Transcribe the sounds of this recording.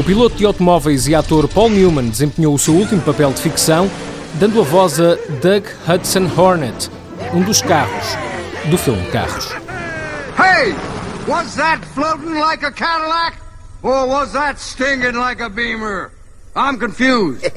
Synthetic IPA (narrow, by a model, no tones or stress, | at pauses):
upilˠot̪ud̪ɨawt̪umɔvɐjziat̪oɾpɔlˠnjumɐ̃nd̪ɨzẽmpɲowusewulˠt̪imupɐpɛlˠd̪ɨfiksɐ̃w̃ | d̪ɐ̃nd̪uɐvɔzɐd̪ɐɣ | hɐt̪sɐ̃nhɔɾnɛt̪ | ũd̪uʃkaʁuʃd̪ufilˠmka̰ʁuʃ | heɪwʌzðətfloʊtn̩laɪkɨkʰæɾəl̩æk | ə˞wʌzðətstɪ̃ŋɡɪ̃ŋlaɪkəbĩmə˞ | ãɪ̃mkɨ̃ɱfjuzd̥